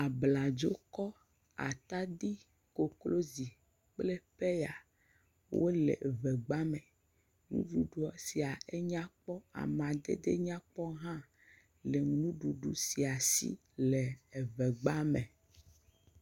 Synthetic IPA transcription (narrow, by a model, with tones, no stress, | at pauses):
a˨bla˨d͡ʒo˦kɔ˦ | a̰˨t̪a˦ɖ̪i˦ | ko˨klo˦zi˨ | k͡ple˦pe˦ja˨ | wo̰˦lḛ˨vɛ˨ɡ͡ba˦mɛ̃˨ | ŋṵ̃˦ɖu˨ɖu˨a˦si˨a˨e˦ɲã˦k͡pɔ˦a̰˨mã˨d̪ḛ˦d̪e˦ɲã˦k͡pɔ˦ɦã˦ | le˨ŋnũ˦ɖu˨ɖu˦si˨a˨sḭ˦ | le˨e˨vɛ˨ɡ͡ba˦mɛ̃˨